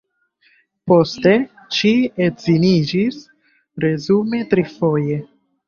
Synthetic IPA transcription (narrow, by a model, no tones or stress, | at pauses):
po̞ste̞ | t͡ʃietzinid͡ʒis | ɾe̞zume̞tɾifo̞je̞